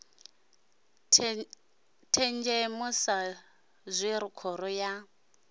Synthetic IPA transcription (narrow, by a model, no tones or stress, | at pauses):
tʰɛnd͡ʒɛmʊsa | zʷiɾʊkʰɔɾɔja